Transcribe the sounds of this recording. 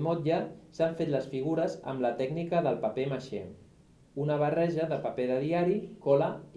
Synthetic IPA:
mot̪ʎasaɱfet̪ləsfiɣ̞uɾəzə̰mlət̪ɛɡnikəðəlˠpəpeməʃe | unəβərɛʒəðəpəpeðəðiaɾikɔlə

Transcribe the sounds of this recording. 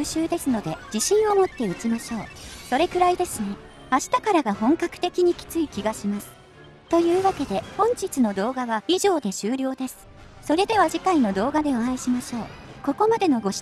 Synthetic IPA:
ɕɨːd̪e̞sɨno̞d̪e̞d͡ʑiɕĩɰ̃omo̞t̪ːe̞ɯ̟t͡ɕimaɕo̞ːso̞ɾe̞kɯ̟ɾaid̪e̞sɨni | aɕi̥t̪akaɾaɡahõ̞ŋkakɯ̟̥t̪e̞kʲiɲ̟ikʲi̥t͡sɨikʲiɡaɕimasɨ̥ | t̪o̞jɯ̟ːβake̞d̪e̞hõ̞ɲ̟t͡ɕit͡sɨno̞d̪o̞ːɡaβaiʑo̞ːd̪e̞ɕɨːɾʲo̞ːd̪e̞sɨ̥ | so̞ɾe̞d̪e̞β̞aʑikaino̞d̪o̞ːɡad̪e̞oãiɕimaɕo̞ːko̞ko̞mad̪e̞no̞ɡo̞̥

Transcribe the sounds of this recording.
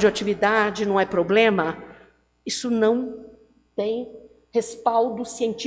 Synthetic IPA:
d͡ʒɪat͡ʃivid̪ad͡ʒɪnɐ̃w̃ɛpɾoblẽmɐ | isʊnɐ̃w̃ | t̪ẽj̃ | hespawd̪ʊsiẽt͡ʃi

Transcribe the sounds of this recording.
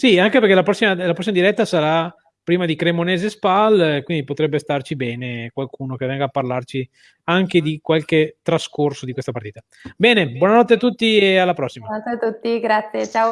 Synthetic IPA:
siaŋkepeɾrkelapɾɔsːimalap̬ɾɔsːimad̪iɾɛt̪ːasaɾa | pːɾiːmad̪ikɾemoneːzespalkwind̪ipot̪ɾɛbːest̪art͡ʃibɛːnekwalkʰuːnokevːɛŋɡaːpːarlart͡ʃi | aŋked̪ikwalket̪ɾaskorsod̪ikwest̪apaɾrt̪iːt̪a | bɛːnebwɔːnanɔt̪ːeat̪ːut̪ːiealːapɾɔsːimat̪et̪ut̪ːiɡɾat̪sjet͡ʃao

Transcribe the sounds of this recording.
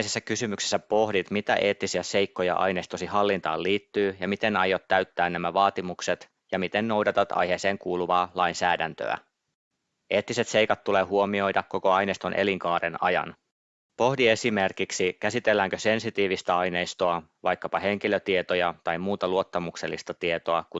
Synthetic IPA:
sesːækysymyksesːæpo̞hdit̪mit̪æ̰ʔe̞ːt̪ːisiæse̞jkːo̞jɑ̰ʔɑ̰jne̞ːst̪osihɑlːint̪ɑ̰ːlliːt̪ːyːjɑmit̪e̞nɑjot̪ːæɥt̪ːæːnnæmæʋɑːt̪imukse̞t̪ | jɑmit̪e̞nːo̞wdɑt̪ɑt̪ɑ̰jheːse̞ːŋkuːluʋɑːlɑjnsæːdænt̪ø̰æ̰ | ʔe̞ːt̪ːise̞t̪se̞jkɑt̪ːuleːɦuo̞mio̞jdɑkːo̞ko̞ɑjnest̪o̞nʔe̞liŋkɑːɾenɑ̰jɑ̰n | po̞hdie̞sime̞rkiksikæsit̪elːæːŋkø̞se̞nsit̪iːʋist̪æɑjne̞jst̪oɑ | ʋɑjkːɑpɑhe̞ŋk̟iløt̪iet̪ojɑt̪ɑjmmuːt̪ɑluo̞t̪ːɑmukselːḭst̪ɑt̪iet̪o̞ɑku

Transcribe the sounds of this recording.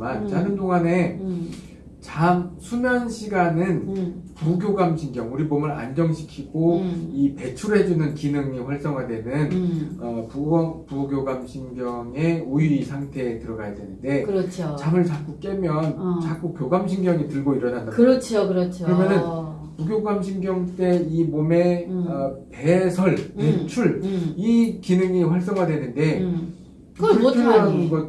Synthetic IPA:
mant͡ɕanɯndoŋane̞ | t͡ɕamsʰunanɕʰiɡanɯnpuɡjoɡamɕʰiŋɡjʌŋuɾibomɯɾa̰nd͡ʑʌŋɕʰi̥kʰiɡoipe̞t͡ɕʰuɾɦe̞d͡ʑunɯnkinɯŋiɸwaɭs͈ʌŋɦadwe̞nɯnʌpuʌŋpuɡjoɡamɕʰinɡjʌŋeoiɾisʰaŋtʰe̞ːtɯɾʌɡajade̞nɯnde̞kɯɾʌt͡ɕʰot͡ɕamɯɭt͡ɕak͈uk͈e̞mjʌnt͡ɕak͈ukjoɡamɕʰinɡjʌŋitɯɭɡoiɾʌnandaɯɾʌt͡ɕʰokɯɾʌt͡ɕʰoɯɾʌmjʌnɯn | puɡjoɡamɕʰinɡjʌŋt͈e̞imome̞ʌpe̞sʰʌɭpet͡ɕʰuɭikinɯŋiɸwaɭs͈ʌŋɦadwe̞nɯnde̞ | kɯɭtʰɯɾoɦanɯnɡʌt̚

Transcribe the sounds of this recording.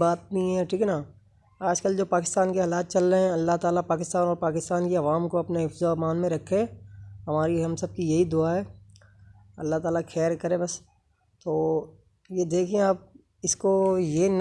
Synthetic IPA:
baːt̪̚nĩɦɛ̃ːʈʰiːkːna | aːd͡ʒkəld͡ʒoːpaːkɪ̥st̪aːnkeɦɐlaːt̪̚t͡ʃɐlːəɦɛ̃ɐlːaɦt̪aːlapaːkɪst̪aːnɔːɾpaːkɪst̪aːnkeɐʋaːmkoɐpnaɦɪfzamaːnmẽɾɐkʰːeɦɐmaːɾiɦɐ̃msɐb̚kijɐɦid̪ʊaɦɛː | ɐlːaɦt̪aːlaxʰɛːɾkɐɾẽbɐs | t̪oː | jed̪eːkʰẽaːp̚ | ɪskojen

